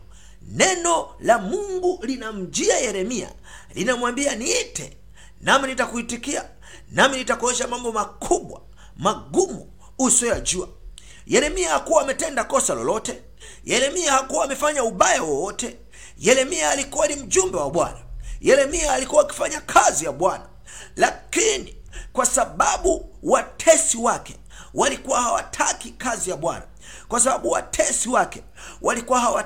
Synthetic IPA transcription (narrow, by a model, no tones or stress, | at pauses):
nɛnɔlamuŋɡulinam̩d͡ʒiajɛɾɛmia̰ | linamwambianiitɛ̰ | naminitakuitikia | naminitakɔɛʃamambɔmakʰuɓwa̰ | maɡumu | usɔjad͡ʒua | jɛɾɛmiahakuwaːmɛtɛndakɔsalɔ̰lɔtɛ | jɛɾɛmiahakuwaːmɛfaɲauɓajawɔwɔtɛ | jɛɾɛmiaːlikuwanim̩ʄumbɛwaɓwa̰najɛɾɛmiaːlikuwaːki̥faɲakʰazijaɓwana | lakini | kwasaɓaɓuwatʰɛsiwakɛ | walikuwahawa̰tʰakikazijaɓwa̰na̰ | kwasaɓaɓuwa̰tʰɛsiwakɛ | wʔalikuwahawa